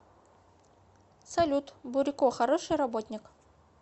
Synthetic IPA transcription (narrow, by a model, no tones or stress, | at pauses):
sɐlʲut̪bʊɾʲɪkoxɐɾoʂɨjrɐbot̪ʲnʲɪk